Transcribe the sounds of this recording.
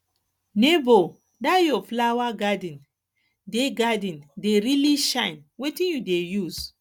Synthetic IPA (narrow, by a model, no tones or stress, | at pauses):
nebo | dajɔflawaɡadĩn | deɡadĩndeɾiliʃãɪnwetĩnjudejuz̥